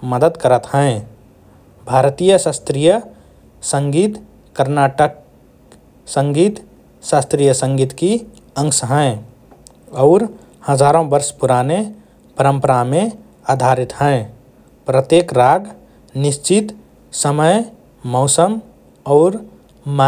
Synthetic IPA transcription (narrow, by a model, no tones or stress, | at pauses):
məd̪əd̪kəɾət̪ɦɛ̃ẽ | bʱaːɾt̪ijəsast̪ɾijə | sə̃ŋɡiːt̪ | kəɾnaːʈək | sə̃ŋɡiːt̪ | saːst̪ɾijəsə̃ŋɡiːt̪ki | ə̃ŋsɦɛ̃ẽ | ɔːɾ | həd͡ʒaːɾõbəɾspuɾane | pəɾə̃mpəɾamẽ | aːd̪ʱaɾɪt̪ɦɛ̃ẽ | pɾət̪jeːkɾaːɡ | nɪʃt͡ʃɪt̪ | səməj | mɔʊsəm | ɔːɾ | ma